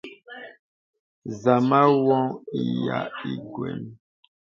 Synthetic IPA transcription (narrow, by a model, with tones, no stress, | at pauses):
za˨ma˦wɔ̃˦ŋi˨ja̰˨i˨ɡwɛ̰˨n